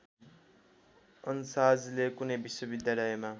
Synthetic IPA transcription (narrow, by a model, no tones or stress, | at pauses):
ʌnsad͡zlekunʌjbiswʌbid̪jalʌjema